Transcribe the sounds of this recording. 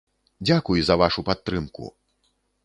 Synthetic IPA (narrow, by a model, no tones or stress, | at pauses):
d͡zʲakujzɐvaʂupat̪ːɾɨmkṵ